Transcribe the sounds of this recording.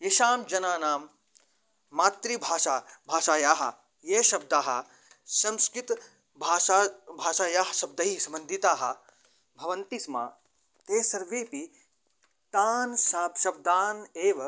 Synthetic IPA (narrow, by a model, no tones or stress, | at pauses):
jeʃaːmd͡ʒɐnaːnaːmː | aːt̪ɾibʱaːʃaːbʱaːʃaːjaːɦɐ̰ | jeːʃɐb̚d̪aːɦɐ̰ | sɐmskɾit̪ | bʱaːabʱaːʃaːjaːɦɐʃɐb̚d̪ɐɦisɐmɐnd̪ʱit̪aːɦɐ̰̆ | bʱɐʋɐnt̪isma̰ː | t̪eːsɐɾʋeːpi | t̪aːnsaːpʃɐb̚d̪aːneːʋɐ